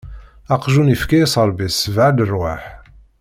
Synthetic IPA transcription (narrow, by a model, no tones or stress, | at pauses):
ɑqʒunifkæjæsˤəɾˤbisəvʕad̪ərwaħ